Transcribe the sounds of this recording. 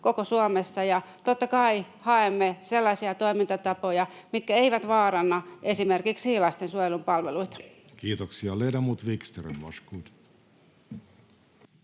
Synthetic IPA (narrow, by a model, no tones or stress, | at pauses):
kokosuomesːɑjɑt̪ot̪ːɑkɑi | hɑemːeselːɑsiɑt̪oimint̪ɑt̪ɑpojɑmit̪̚kæeiʋæt̪ʋɑːrɑnːɑʔesimerkiksiːlɑst̪ensuojelumpɑlʋeluit̪ɑ̥ | kiːt̪oksiɑleːdɑmut̪ʋikst̪erḛmmo̰skuːt̪